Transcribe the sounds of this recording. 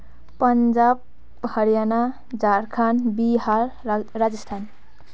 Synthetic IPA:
pʌnd͡zab̚ | hʌɾjana | d͡zaɾkʰanbiharːad͡zʌst̪ʰan

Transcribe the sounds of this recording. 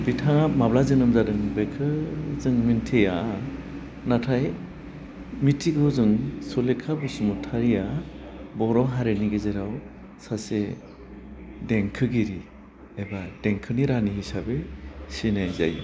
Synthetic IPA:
bitʰaŋap̚mablazɯnɯmzadɯŋbekʰɯzɯŋmintʰeja | natʰaj | mitʰiɡɯwzɯŋsɔlekʰabɯsumutʰaɾijabɔɾɔɦaɾeniɡezeɾaw | sase | deŋkʰɯɡiɾi | ebad̥eŋkʰɯniɾanihisabesinajza̰j

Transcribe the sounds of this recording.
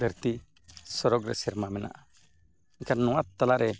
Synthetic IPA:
d̪ʱəɾt̪i | sɔɾɔɡɾɛ̰siɾmamɛna̰ʔ | iŋkʰanɔwat̪ːalaʔɾʔɛ

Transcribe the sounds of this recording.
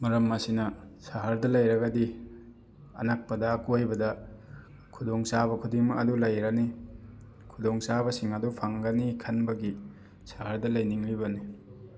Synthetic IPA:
mɐɾɐmːɐsinɐsaɦaɾdɐlɐjɾɐɡɐdi | ɐ̰nak̚pɐdakojbɐdɐ | kʰudoŋsabɐkʰudiŋmɐɐdulɐjɾɐni | kʰudoŋsabɐsiŋɐdupʰaŋɡɐnikʰɐnbɐɡi | saɦaɾdɐlɐjniŋlibɐni

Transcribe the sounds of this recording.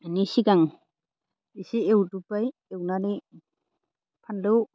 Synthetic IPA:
nisiɡaŋ | isiewdupajewnani | pʰanlow

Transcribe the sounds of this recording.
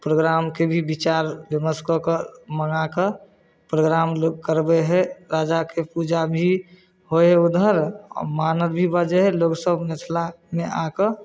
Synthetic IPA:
pɾoːɡɾaːmkebʱibit͡ʃaɾbeməskəkəməŋakə | pɾoɡɾamlokəɾbeɦɛɾaːd͡ʒakepud͡ʒabʱi | hoɛud̪ʱəɾ̰maːnəɾbʱibəd͡ʒeɦɛloːɡsəbʱmet̪ʰla | meʔakə

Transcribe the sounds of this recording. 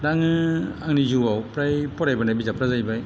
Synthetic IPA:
daŋɯaŋnid͡ʒuawpɾajpɔɾajbanajbid͡ʒapɾazajbaj

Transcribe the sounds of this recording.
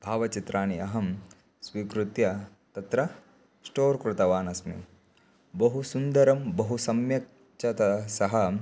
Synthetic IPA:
bʱaːʋɐt͡ʃit̪ɾaːniɐɦɐm | sʋiːkɾut̪jɐ | t̪ɐt̪ɾɐ | sʈoːɾkɾut̪ɐʋaːnɐsmḭ | bɐɦusund̪ɐɾɐmbɐɦusɐmjɐk̚ | t͡ʃʰɐt̪ɐsɐɦɐ

